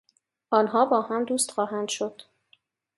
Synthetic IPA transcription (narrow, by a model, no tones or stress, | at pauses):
ʔɒːnɦɒːbɒːhæmd̪uːst̪xɒːɦænd̪̥ʃod̪̥